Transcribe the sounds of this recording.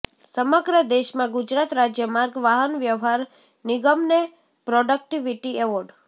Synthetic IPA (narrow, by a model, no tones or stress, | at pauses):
səməɡɾəd̪eʃmãɡud͡ʒɾat̪ɾad͡ʒjəmaɾɡʋaɦənʋjəʋɦaɾ | nɪɡəmne | pɾɔɖək̚ʈiʋiʈiɛʋɔɾɖ